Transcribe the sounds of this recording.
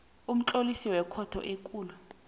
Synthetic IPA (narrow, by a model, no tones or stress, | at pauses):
um̩t͡ɬʼolisiwɛkʰɔtʰɔ̰ʔekʼuːlu